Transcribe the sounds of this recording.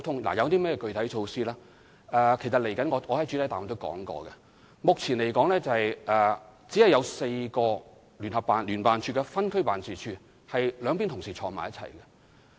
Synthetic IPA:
wt̪ʰʊ˥ŋla̰˨˩jɐ˨˧wt̪iː˥mɛː˥˩jɛː˧kɵ˧ɥt̪ʰɐ˨˥jt͡ʃʰo˧wsiː˥laː˥ | ʔɛ˨˧kʰe˨˩sɐ˨t̚le˨˩jkɐ˨˥nŋɔː˨˧ŋɔː˨˧hɐ˨˥jt͡ʃyː˨˥˨jt̪aː˨˩t̪o˥wkɔ̰ː˨˥ŋkɔ̰ː˧kɛ̰˧ | mʊ˨k̚t͡sʰiː˨˩nle˨˩jkɔː˨˥ŋlɛː˥t͡sɐ˨˧hɐ˨jʔɛː˨t͡si˨˥hɐ˨jɐ˨˧wse˧jkɔː˧ | ly˨˩nhɐ˨p̚ːaː˨nlyː˨˩npaː˨nt͡ʃʰyː˧kɛ˧fɐ˥nkʰɵ˥paː˨nsiː˨t͡ʃʰyː˧ | hɐ˨jlœː˨˧ŋpi˥nt̪ʰʊ˨˩ŋsiː˨˩t͡ʃʰɔː˧ŋma̰ː˨jɐ˥t̚t͡sʰɐ̰˨˩jkɐ˧

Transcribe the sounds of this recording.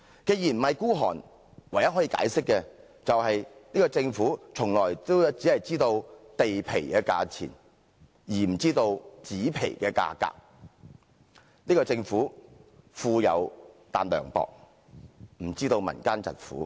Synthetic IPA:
ke˧jiː˨˩nm̩˨˩hɐ˨˩jkuː˥ɦɔ̰ː˨˩n | wɐ˨˩jɐ˥ɦɔː˨˥iː˧ka̰ː˨˥jsɪ˥k̚ːɛː˧ | t͡sɐ˨whɐ˨jniː˥kɔː˧t͡sɪ˧ŋfuː˨˥t͡sʰʊ˨˩ŋlɔː˨˩jt̪o˥wt͡siː˨˥hɐ˨jt͡siː˥t̪o˧wt̪e˨jpʰe˨˩jkɛː˧ka̰ː˧t͡sʰḭː˨˩n | jiː˨˩m̩˨˩t͡siː˥t̪o˧wt͡siː˨˥pʰḛ˨˩jkɛː˧ka̰ː˧ka̰ː˧k̚ | niː˥kɔː˧t͡sɪ˧ŋfuː˨˥fuː˧jɐ̰˨˧wt̪aː˨nlœ̰ː˨˩ŋpɔ̰ː˨˧k̚ | m̩˨˩t͡siː˥t̪o˧wmɐ̰˨˩nkaː˥nt͡sɐ̰˨t̚fṵː˨˥

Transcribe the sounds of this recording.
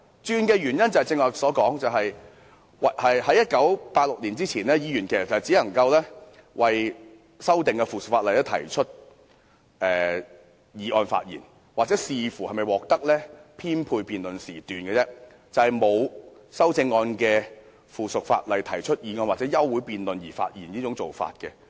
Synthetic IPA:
t͡ʃyː˧nkɛː˧ɥyː˨˩njɐ˥nt͡sɐ˨˩hɐ˨jt͡sɪ˧ŋɔː˨sɔː˨˥kɔː˨˥ŋt͡sɐ˨wɦɐ˨j | wɐ˨˩hɐ˨jhɐ˨˥jɐ˥t̚kɐ˨˥wpaː˧t̚lʊ˨k̚liː˨˩nt͡siː˥t͡sʰiː˨˩nɛː˥jiː˨˧jyː˨˩nkʰɛː˨˩˨t͡sɐ˨˩hjt͡siː˨˥lɐ˨˩ŋkɐ˧wlɛː˥ | wʔɐ˨j | sɐ˥wt̪ɪ˨ŋkɛ˧fuː˨˩sʊ˨k̚faː˧tlɐ˨˩t̪ɐ˥t̪ʰɐ̰˨˩jt͡ʃʰɵ˥t̚ | ʔɛː˨˩ | jiː˨˥ʔɔː˧nfa̰ː˧t̚jḭː˨˩n | wa˨k̚t͡sɛ˨˦˥siː˨˧fuː˨˩hɐ˨˩jmɐ˨jwɔː˨k̚t̪ɐ˥k̚lɛː˥pʰiː˥npʰuː˧jpiː˧nlɵ˨nsiː˨˩t̪yː˨nkɛ˧t͡sɛː˥ | t͡sɐ˨whɐ˨jmo˨˧w | sɐ˥wt͡sɪ˧ŋːɔː˧nkɛː˧ | fuː˨˩sʊ˨k̚fa̰ː˧t̚lɐ˨jt̪ʰɐ˨˩jt͡ʃʰɵ˥t̚jiː˨˧ŋɔː˧nwaː˨t̚t͡sɛː˨˥jɐ˥wːuː˨˥jpiː˨nlɵ˨njiː˨˩fa̰ː˧t̚jḭː˨˩nniː˥t͡sʊ˨˥ŋt͡so˨wfa̰ː˧t̚kɛ˧

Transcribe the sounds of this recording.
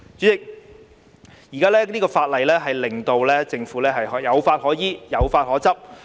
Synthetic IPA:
t͡syː˨˥t͡sɪ˨k̚ | jiː˨˩kaː˥lɛː˥niː˥kɔː˧faː˧t̚lɐ˨˩jlɛː˥ɦɐ˨jlɪ˨˩ŋt̪o˨˧wlɛː˥t͡sɪ˧ŋfuː˨˥lɛː˥ɦɐ˨jɦjɐ˨˧wfaː˧t̚hɔː˨˥jiː˨˩jɐ˨˧wfaː˧t̚hɔː˨˥t͡sɐ˥p̚

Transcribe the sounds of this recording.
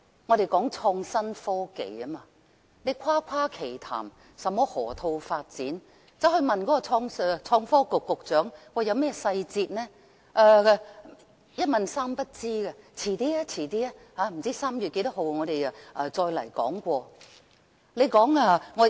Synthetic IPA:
ŋɔː˨˧ɾe˨jkɔː˨˥ŋt͡ʃʰɔː˧ŋsɐ˥nfɔː˥kḛ˨jɐ˥maː˨ | le˨˧jkʷʰwaː˥kʷʰwaː˥kʰe˨˩jt̪ʰa̰ː˨˩m | sɐ˨mːɔː˥hɔ̰ː˨˩t̪ʰo˧wfaː˧t̚t͡siː˨˥n | t͡sɐ˨˧˥whɵ˧ɥmɐ˨nkɔː˨˥kɔ˧t͡sʰɔː˧ŋst͡sʰɔː˧ŋfɔː˥kʊ˨kːʊ˨k̚t͡sœː˨˥ŋwaː˨˧jɐ˨˧wmɛː˥sɐ˧jt͡siː˧t̚nɛː˥ | ʔɐː˧ | jɐ˥t̚mɐ˨nsaː˥mpɐ˥t̚t͡siː˥ɡɐ˧t͡sʰiː˨˩t̪iː˥aː˥t͡sʰiː˨˩t̪iː˥a˥ | haː˨˧m̩˨˩t͡siː˥saː˥mjyː˨t̚ke˨˧˥jt̪ɐ˥ɦo˨˧wŋɔː˨˧ɾe˨ja˧ʔɐ˨˧t͡sɔː˧jlɐ̰˨˩jkɔ̰ː˨˥ŋkʷɔː˧ | le˨˧jkɔː˨˥ŋaː˧ŋɔː˨˧

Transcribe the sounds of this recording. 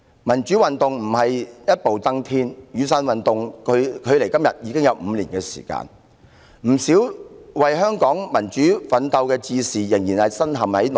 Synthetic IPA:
mɐ˨˩nt͡ʃyː˨˥wɐ˨nt̪ʊ˨ŋm̩˨˩hɐ˨jjɐ˥t̚po˨wt̪ɐ˥ŋt̪ʰiː˥njyː˨˧saː˧nwɐ˨nt̪ʊ˨ŋkʰkʰɵ˨˧ɥle˨˩jkɐ˥mjɐ˨t̚jiː˨˧kɪ˥ŋjɐ˨˧wm̩˨˧liː˨˩nkɛː˧sḭː˨˩ka̰ː˧n | m̩˨˩siː˨˥wwɐ˨jɦœː˥ŋkɔː˨˥ŋmɐ˨˩nt͡ʃyː˨˥fɐ˨˥nt̪ɐ˧wkɛː˧t͡siː˧siː˨jɪ˨˩ŋjiː˨˩nhɐ˨jsɐ˥nɦɐ˨mhɐ˨˥jl

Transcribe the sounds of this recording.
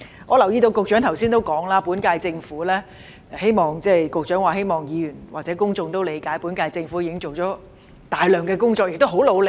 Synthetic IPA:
ŋɔː˨˧lɐ˨˩wjiː˧t̪o˧wkʊ˧k̚t͡ʃœ˨˥ŋt̪ʰɐ˨˩wsiː˥nt̪o˥wkɔː˨˥ŋlaː˥pu˨˥nkaː˧jt͡sɪ˧ŋfuː˨˥lɛː˥˧ | he˥jmɔː˨ŋt͡sɛː˥˩kʊ˨˧k̚t͡ʃœː˨˥ŋwaː˨˩ɦe˥jmɔː˨˩ŋjiː˨˧jyː˨˩nwaː˨t͡sɛː˨˥kʊ˥ŋt͡sʊ˧ŋt̪o˥wle˨˧jkaː˨˥jpuː˨˥nkaː˧jt͡sɪ˧ŋfuː˨˥jiː˧˥ɪ˥ŋt͡so˨˩wt͡ʃɔː˨˥ | t̪aː˨jlœː˨ŋkɛː˧kʊ˥ŋt͡sɔː˧k̚jɪ˨k̚t̪o˥wɦo˨˥wlo˨˧wl

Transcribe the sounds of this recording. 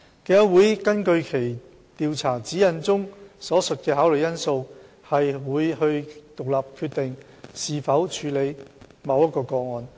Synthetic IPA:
keː˧jɐ˨˥wuː˨˥jkɐ˥nkɵ˧ɥkʰe˨˩j | t̪iː˨wt͡sʰaː˨˩t͡siː˨˥jɐ˨˩nt͡sʊ˥ŋsɔː˨˥sɵ˨t̚kɛː˧ɦaː˨˥wlɵ˨˩jɐ˥nso˧w | hɐ˨jwuː˨˧jhɵ˧ɥt̪ʊ˨k̚laː˨p̚kʰyː˧t̪̚ɪ˨ŋ | siː˨fɐ˨˥wt͡ʃʰyː˨˧˥le˨˧jmɐ˨˧wjɐ˥t̚kɔː˧kɔː˧ŋɔː˨n

